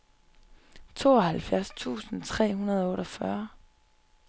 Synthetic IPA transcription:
t͡sʰo̝̰ːɒhælfjæɐst͡sʰṵːsn̩t͡sʰʁɛ̰ːɦunɐð̞ˠɒɔ̽ːɾɒfɶɐ

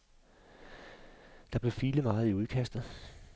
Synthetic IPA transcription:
d̥ɑ̈b̥le̝fiːləmɑ̈ːð̞̩ˠiuð̞ˠkʰæsd̥ð̞̩ˠ

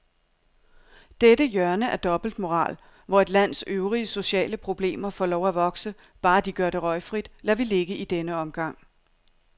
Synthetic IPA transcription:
d̥edəjɶɐnəʔæɐd̥ɒ̽b̥l̩d̥mo̝ʁɑ̰̈ːl | ʋɒe̝d̥læn̰søʊʁiəso̝ɕɛ̰ːləpʰʁo̝b̥le̝̰ːmɐfɒːlɒʊæʋɒ̽ɡ̥sə | b̥ɑ̈ːd̥iɡ̥ɶɐɾe̝ʁɒ̽ɪfʁid̥læʋile̝ɡ̥əid̥enəɒ̽mɡ̥ɑ̈ŋ̰

